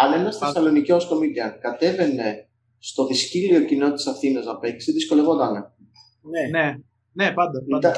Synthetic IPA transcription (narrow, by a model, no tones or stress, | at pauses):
ɐnenɐst̪esɐlo̞niciosko̞mid̪iɐkɐt̪e̞ve̞ne̞ | st̪o̞ðiscilio̞cino̞t̪isɐfθinɐznɐpe̞ksiðisko̞le̞vond̪ɐne | ne | nepɐd̪it̪ɐ